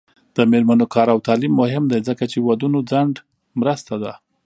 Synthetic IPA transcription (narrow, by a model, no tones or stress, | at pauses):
d̪̥əmeɾmanokɑɾawt̪ɑlimːʊhɪmd̪ajzəkat͡ʃewad̪unod͡zaɳɖ | mɾəst̪ad̪a